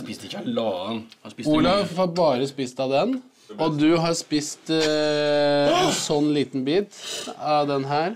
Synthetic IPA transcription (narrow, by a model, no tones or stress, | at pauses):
spɪsd̪lɑːənuːlɑhɑɾbɑːɾəspɪst̪ɑd̪ɛn | ɔd̪ʉɦɑspɪst̪ | sɔnːliːt̪n̩biːt̪ɑʋd̪ɛnɦæːɾ